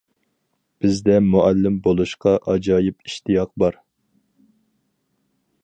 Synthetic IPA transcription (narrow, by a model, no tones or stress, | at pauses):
b̥ɪzd̪ɛmuʔælːɪmbolˠuʃqʰɑʔɑd͡ʒɑːjɪpiʃt̪ijɑq̚bɑɾ